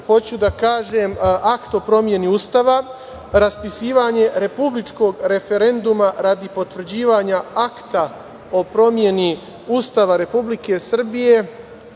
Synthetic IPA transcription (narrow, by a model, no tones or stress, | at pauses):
ho̞t͡ɕud̪akaːʒemakt̪o̞pɾo̞mje̞niust̪aʋa | ɾaspisiːʋaɲe̞ɾe̞publit͡ʃko̞ɡɾe̞fe̞ɾe̞nd̪umaɾad̪ipo̞t̪ʋr̩d͡ʑiːʋaɲaakt̪a | o̞pɾo̞mje̞ni | ust̪aʋaɾe̞publike̞sr̩bije̞